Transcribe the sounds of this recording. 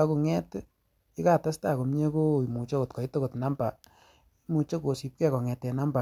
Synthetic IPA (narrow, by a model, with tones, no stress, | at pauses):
a˦ku˨ŋɛ˦t | ɪ˦ka˨ta˦sta˦˨ko˨mɲe˦ko˦i˨mu˨t͡ʃo˦ko˨t̚kɔ˨i˦to˦ko˨tna˦mba˨ | i˦mu˨t͡ʃo˦ko˨si˨p̚kɛ˦kɔ˨ŋɛ˨tɛ˨na˦mba˨